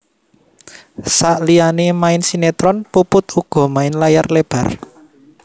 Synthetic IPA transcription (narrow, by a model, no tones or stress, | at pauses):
saʔlianemaɪnsinet̪ɾɔnpupʊt̪uɡ̥ɔ̤maɪnlajarleb̥a̤r